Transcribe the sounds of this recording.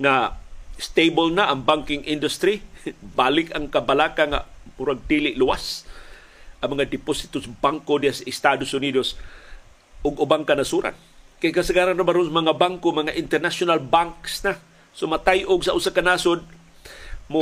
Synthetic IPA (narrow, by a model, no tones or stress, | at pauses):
ŋast̪ebolnaʔɐŋbaŋkɪŋʔɪnd̪ʊst̪ɾibaːlɪkaŋkabalaːkaŋa̰mʊɾaɡ̚d̪ilɪʔlʊwa̰s | ʔɐŋmɐŋad̪ɪposɪ̥t̪osbaŋkodihasaɪst̪ad̪osʊnid̪os | ʔʊɡʊbaŋkanasuɾa̰n | kajkasəɡaːɾanɾabaɾonsmɐŋabaŋkomɐŋaʔɪnt̪ɛɾnaʃʊnalbaŋksna | somat̪ajʔʊɡsaʔʊsakanaːsod̪̚ | mʊ